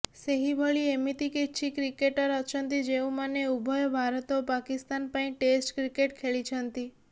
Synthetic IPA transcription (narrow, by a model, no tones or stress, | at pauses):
seɦibʱəɭiemit̪ikit̪ːt͡ʃʰikɾikeʈəɾət͡ʃʰənt̪id͡ʒeũmaneubʱɔjbʱaɾɔt̪opakist̪anpaĩʈesʈkɾikeʈkʰeɭit͡ʃʰənt̪i